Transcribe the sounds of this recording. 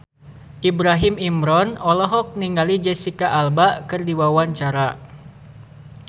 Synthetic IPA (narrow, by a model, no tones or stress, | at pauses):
ʔibɾaɦimimɾɔnɔlɔɦɔk̚niŋɡalid͡ʒɛsikaʔalbaʔkɨrdiwawaɲt͡ʃaɾa